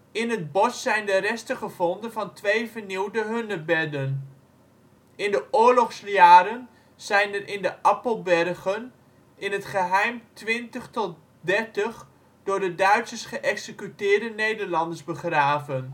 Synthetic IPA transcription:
ɪnɦəd̚bɔsːɛjndərɛstəχəvɔndənvɑntʋejvəɹniwdəɦɵnəbɛdən | ɪndəʔʊːɹlɔχsjaːɾən | z̥ɛjndənʔɪndəʔɑpəlˠbɛrχən | ʔɪnətχəɦɛjmtʋɪntəχtɔt | dɛɹtəχ | d̥ʊːɹdədœɥtsəsχəʔɛksəkytɪːɹdənejdəɹlɑndəɹzbəχraːvən

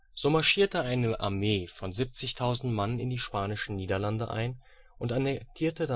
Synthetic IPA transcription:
z̥oːmaɐʃiːɐtəʔaɪnəʔa̰ɐmeːfɔnzip̚t͡sɪçtʰaʊzn̩tmanənɪ̰ndiːʃpaːnɪʃn̩niːdɐlandəʔa̰ɪn | ʔʊntʔanɛk̚tʰiːɐtəda

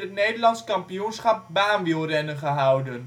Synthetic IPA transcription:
ət̚nejdəlɑntskɑmpijunsχɑp̚baːnʋilˠrɛnənχəɦʌwdən

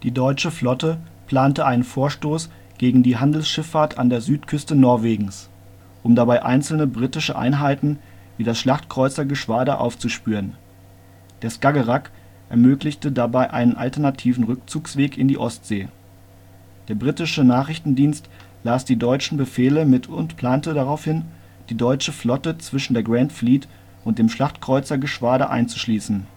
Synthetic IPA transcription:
d̥iːdɔʏt͡ʃəflɔtəpl̥aːntəʔaɪnənfoːɐʃtoːs | ɡ̥eːɡŋ̩diːɦandl̩sʃɪfaːɐtʰa̰ndeːɐzyːtkʰʏstənɔɐveːɡŋ̩s | ʔʊmdabaɪʔa̰ɪnl̩nəbʁitɪʃəʔa̰ɪnɦaɪtn̩ | viːdasʃlaχtkʁ̥ɔʏt͡sɐɡəʃv̥aːdəʔa̰ʊft͡suʃpyːʁən | d̥eːɐskaɡəʁak | ʔɛɐmøːklɪçtədabaɪʔa̰ɪnənʔa̰ltɛɐnatʰiːvn̩ʁʏk̚t͡suːksv̥eːkɪndiːʔɔstz̥eː | d̥eːɐbʁitɪʃənaːχʁ̥ɪçtn̩diːnst | laːsd̥iːdɔʏt͡ʃn̩bəfeːləmɪtʰʊntpl̥aːntədaʁaʊfhɪn | d̥iːdɔʏt͡ʃəflɔtət͡sv̥ɪʃn̩deːɐɡʁantfliːt | ʔʊntd̥eːmʃlaχtkʁ̥ɔʏt͡sɐɡəʃv̥aːɾəʔa̰ɪnt͡su̥ʃliːsn̩

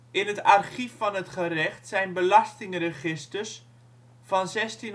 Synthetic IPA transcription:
ɪnətarχifːɑnətχərɛχtsɛjnbəlɑstɪŋrəχɪstərs | fɑnzɛstin

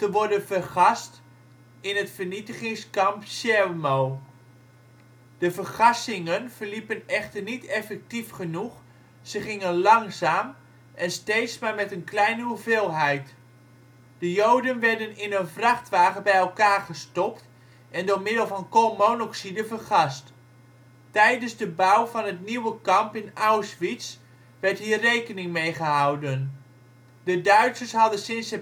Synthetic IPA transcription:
təʋɔɹdənvərχɑst | ɪnɦətfəɹnitəχɪŋskɑmpʃɛrmow | d̥əvəɹχɑsɪŋənv̥əɹlipənɛχtəɹnitɛfɛk̚tifχənuχ | z̥əχɪŋənlɑŋzaːm | ʔɛnstejtsmaːɹmɛtənklɛjnəuvɪːlˠɦɛjt | d̥əjowdənʋɛɹdənɪnənvrɑχtʋaːχəbɛjɛlˠkaːɹχəstɔpt | ɛndoːɹmɪdəlˠvɑnkomonoksidəvəɹχɑst | tɛjdənzdəbʌwvɑnɦətniwəkɑmpɪnawsʋits | ʋɛɹtɦiːrejkənɪŋmejχəɦɑwdən | dədœɥtsəɹsɦɑdənsɪnsə

